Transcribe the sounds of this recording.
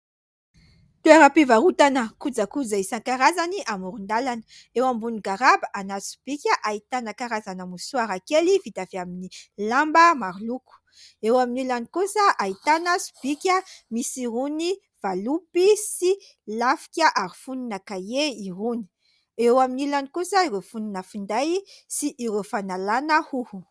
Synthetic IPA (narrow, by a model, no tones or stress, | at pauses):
t̪ueɾapivaɾut̪anəkud͡zəkud͡zaisakaɾazaniʔamuɾund̪alanə | ewambuniɡaɾabaʔanasu̥b̥ikʲəʔait̪anakaɾazanamusuaɾakelivit̪aviaminilambəmaɾluku̥ | ewaminilanikusəʔait̪anasu̥b̥ikʲəmisiɾuni | v̥alupisi | lafi̥kʲaʔaɾifuninakajeiɾuni̥ | ewaminilanikusaiɾewfuninəfund̪ajsiʔːɾefanalanəhuhu